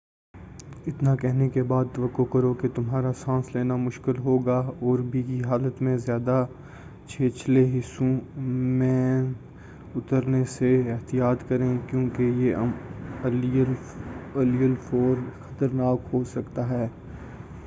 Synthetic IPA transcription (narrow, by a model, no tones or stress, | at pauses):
ɪt̪nakɛɦnekebaːd̪̚t̪ɐʋəkːokɐɾoket̪ʊmɦaːɾasãːsleːnamʊʃkɪlɦoːɡaɔːɾbʱikiɦaːlət̪mẽzjaːd̪a | t͡ʃʰeːt͡ʃleɦɪsõmẽ | ʊt̪əɾneseɪɦt̪ijaːt̪kɐɾẽkjõːkejeɐm | ɐlijəlfoːɾxɐ̥t̪əɾnaːkɦosɐkt̪aɦɛː